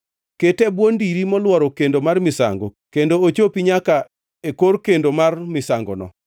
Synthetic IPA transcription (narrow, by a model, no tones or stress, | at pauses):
ketɛbwondiɾimɔlwɔɾɔkendomarmɪsa̰ŋɡokendoot͡ʃopiɲaka | ekoɾkendomarmɪsaŋɡɔ̰nɔ̰